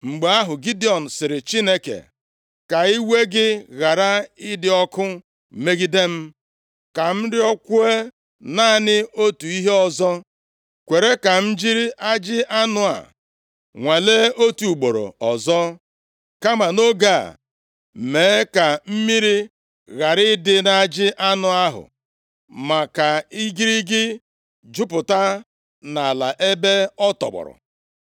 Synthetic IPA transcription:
ŋ͡m̩˨ɡ͡be˨a˦ɦʊ˨ɡi˦dɪ˦ɔ˨n̩˨sɪ˨ɾɪ˨t͡ʃi˦ne˦kḛ˨ | ka˨i˦we˦ɡɪ˦ɣa˨ɾa˦ɪ˦dɪ˨ɔ˦kʊ˦ | me˦ɡi˦de˦m̩˦ | ka˨m̩˦dɪ˦ɔ˦kʷʊ˦e˦ | na˦˨nɪ˦o˦tu˨i˦ɦe˦ɔ˨zɔ˦ | kʷe˨ɾe˦ka˨m̩˦d͡ʒi˦ɾi˦ʔa˦d͡ʒɪ˦a˦nʊ˨a̰˨ | ŋʷe˨le˦o˦tu˨u˨ɡ͡bo˨ɾo̰˨ɔ˨zɔ˦ | ka˦ma˨no˦ɡa̰˦˨ | meː˨˦ka˨m̩˦mi˦ɾi˦ | ɣa˨ɾɪ˦dɪ˦na˦d͡ʒɪ˦ʔa˦nʊ˨a˦ɦʊ̰˨ | ma˨ka˨i˦ɡi˦ɾi˦ɡɪ˦ | d͡ʒʊ˦pʊ˨ta˦ | na˨la̰˨ʔe˦be˦ɔ˦tɔ̰˨k͡pɔ̰˨ɾʊ̰˨

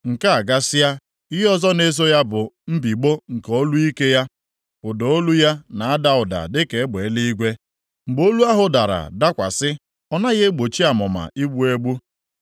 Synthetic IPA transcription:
ŋ̩˨ka˦a˨ɡa˦sɪ˦ja˦ | ɪ˦ɦɔ˦zɔ˦ne˦zo˦ja˦bʊ˨m̩˦bi˨ɡ͡bo˦ŋ̩˨ko˦lu˦i˦ke˦ja˦ | pʊ˨do˨o˦lu˦ja˦na˨a˦da˦ʊ˨da̰˨dɪ˦ke˨˦ɡ͡be˨˦li˦i˦ɡʷe˦ | ŋ͡m̩˨ɡ͡bo˦lu˦a˦ɦʊ˨da˨ɾa̰˨da˦kʷa̰˨sɪ˦ | ɔ˦na˦ɣe˦ɡ͡bo˨t͡ʃi˦a˨mʊ˨ma̰˨ʔi˦ɡ͡bu˦e˦ɡ͡bu˦

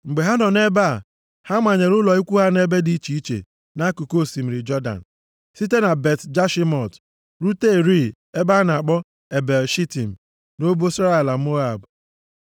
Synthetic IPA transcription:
ŋ͡m̩˨ɡ͡be˨ɦa˦nɔ˨ne˦ba˦˨ | ha˦mʷa˨ɲe˨ɾʊ˦lɔ˨i˦kʷu˦ɦa˦ne˦be˦di˦i˦t͡ʃi˨i˦t͡ʃḛ˨ | na˦ku˨ko˦˨si˨m̩˨ɾɪ˨d͡ʒɔ˦da̰˨n̩˨ | si˦te˦na˨be˨td͡ʒa˦ʃi˦mɔ˨t | ɾu˦te˦˨ɾi˦˨ | e˦ba˦na˨a˨k͡pɔ˦ | e˨be˨lʃi˦ti˨m̩˨ | no˦bo˦sa˦e˨la˨m̩˦o˦a˨b

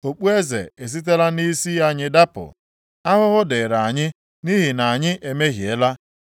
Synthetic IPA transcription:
o˨k͡pu˦e˦zḛ˨e˨s̬i˦t̬e˦la˦ni˦si˦a˦ɲɪ˦da˦pʊ̰˨ | a˦ɦʊ˦ɦʊ˦dɪ˨ɾa˨a˨ɲɪ˦ | ni˦ɦi˨na˨ɲɪ˦ʔe˨me˦ɦi˨e˦la˦

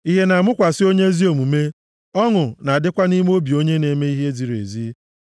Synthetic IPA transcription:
i˦ɦe˦na˨a˨mʊ˦kʷa˨sɪ˦o˦ɲe˦e˦zi˦o˨mu˨me˦ | ɔ˦ŋʊ˨na˨dɪ˦kʷa˦ni˦m˦o˦bi˨o˦ɲe˦ne˨me˦i˦ɦe˦zi˨ɾḛ˨zi˦

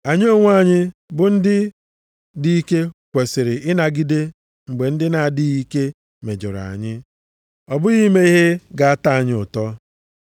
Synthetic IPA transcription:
a˨ɲ˦o˦ŋʷ˦a˦˨ɲɪ˦bʊ˨n̩˦dɪ˦ | di˦i˦ke˦kʷe˨sɪ˨ɾɪ˨ʔɪ˦na˨ɡi˦de˦ | ŋ͡m̩˨ɡ͡be˨n̩˦dɪ˦na˨dɪ˦i˦ke˦ | me˨d͡ʒo˨ɾa̰˨ɲɪ˦ | ɔ˨bʊ˦ɣi˦me˦i˦ɦe˦ɡa˨a˦ta˦a˨ɲɪ˦ʊ˨tɔ˦

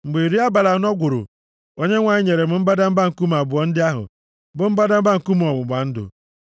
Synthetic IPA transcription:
ŋ͡m̩˨ɡ͡be˨i˨ɾi˦a˦ba˨la˨n˦ɔ˦ɡʷʊ˨ɾʊ̰˨ | o˦ɲe˦ŋʷa˨ɲɪ˦ɲe˨ɾe˨m̩˨m̩˦ba˦da˦m̩˦ba˦ŋ̩˨ku˦m̩˦˨a˨bʊ˨ɔ˦n̩˦dɪ˦a˦ɦʊ̰˨ | bʊ˨m̩˦ba˦da˦m̩˦ba˦ŋ̩˨ku˦m˦ɔ˨bʊ˨ɡ͡ba˨n̩˦dʊ̰˨

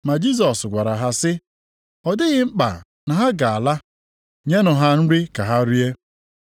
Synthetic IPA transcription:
ma˨d͡ʒi˦s̬ɔ˨sɡʷa˨ɾa˨ɦa˨sɪ˦ | ɔ˨dɪ˦ɣɪ˦ŋ͡m̩˦k͡pa̰˨ | na˨ɦa˦ɡa˨a˨la˦ | ɲe˦nʊ˨ɦa˦n̩˦ɾi˦ka˨ɦa˦ɾi˦e˦

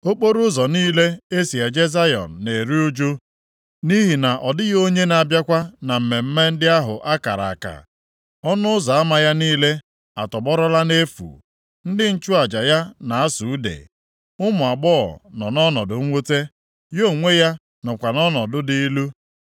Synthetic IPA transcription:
o˦k͡po˦ɾʊ˦zɔ˨niː˦le˦e˦si˨ja˨d͡ʒe˦za˦jɔ̰˨n̩˨ne˨ɾi˦u˦d͡ʒu˦ | ni˦ɦi˨na˨ʔɔ˨dɪ˦ɣo˦ɲe˦na˨bja˦kʷa˦na˨m̩˨me˨m̩˦me˦n̩˦dɪ˦a˦ɦʊ̰˨ʔa˦ka̰˨ɾa̰˨a˨ka̰˨ | ɔ˦nʊ˦ʊ˦za˨a˦ma˨ja˦niː˦le˦ | a˨tɔ˨bɔ˦ɾɔ˦la˦ne˦fṵ˨ | n̩˦dɪ˦n̩˦t͡ʃʊ˦a˨d͡ʒa˨ja˦na˨a˦su˨u˦dḛ˨ | ʊ˦mʊ˨a˨ɡ͡bɔ˦ɔ̰˨nɔ˨nɔ˦nɔ˨dʊ˨ŋ̩˦ŋʷo˦te˦ | jo˦˨ŋʷe˦ja˦ | nʊ˨kʷa˨nɔ˦nɔ˨dʊ˦di˦i˦lu˦

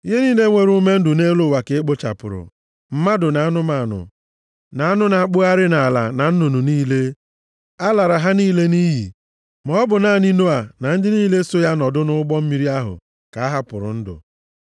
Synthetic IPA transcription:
i˦ɦe˦niː˦le˦ŋʷe˨ɾu˦me˦n̩˦dʊ˨ne˦lo˦˨wa˨kɪ˨˦k͡pʊ˦t͡ʃa̰˨pʊ̰˨ɾʊ̰˨ | m̩˦ma˦dʊ˨na˨a˦nʊ˦ma˨nʊ̰˨ | na˨a˦nʊ˦na˨˦˨k͡pʊ˦a˦ɾɪ˦na˨la̰˨na˨n̩˦nu˨nu˨niː˦le˦ | a˦la˨ɾa˨ɦa˦niː˦le˦ni˦ɦḭ˨ | mɔ˨ɔ˦bʊ˨na˦˨ni˦no˦a˨na˨n̩˦dɪ˦niː˦le˦so˦ja˦nɔ˨dʊ˦nʊ˦ɡ͡bɔ˦m̩˦mi˦ɾi˦a˦ɦʊ̰˨ | ka˨a˦ɦa˦pʊ˨ɾʊ̰˨n̩˦dʊ̰˨

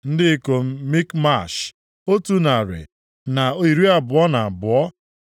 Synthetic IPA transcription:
n̩˦dɪ˦ko˨m̩˦mi˦kma˦˨ʃ | o˦tu˦na˨ɾɪ̰˨ | na˨o˦i˨ɾi˦a˨bʊ˨ɔ˦na˨bʊ˨ɔ˦

